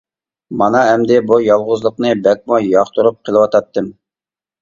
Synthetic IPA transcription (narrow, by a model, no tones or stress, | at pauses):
mɑnɑɦɛmd̪ɪbujɑlˠʁʊzlˠəqnɨbɛk̚mujɑχt̪ʰuɾup̚qʰəlˠɨwɑt̪ʰɑt̪ːɨm